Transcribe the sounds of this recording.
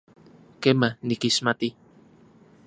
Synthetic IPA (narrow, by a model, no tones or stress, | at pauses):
kemanikismat̪i